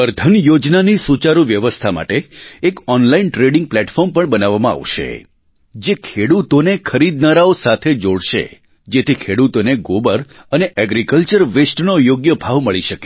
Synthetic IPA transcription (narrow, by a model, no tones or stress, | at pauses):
əɾd̪ʱənjod͡ʒnanisut͡ʃaɾuʋjəʋəst̪ʰama̰ʈeːkɔnlainʈɾeɽɪŋɡ̚plɛʈfɔɾmpəɳbənaʋamãa̰ʋʃḛ | d͡ʒekʰeɽut̪onekʰəɾid̪̚naɾaosat̪ʰed͡ʒoɽʃḛ | d͡ʒet̪ʰikʰeɽut̪oneɡobəɾ | əneʔɛɡɾikəlt͡ʃəɾʋesʈnojoɡjəbʱaʋməɭiʃəke̥